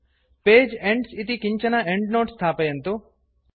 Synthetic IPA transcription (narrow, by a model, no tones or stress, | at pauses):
peːd͡ʒeɳɖsit̪ikiɲt͡ʃɐnɐeɳɖnoːʈst̪ʰaːpɐjɐnt̪u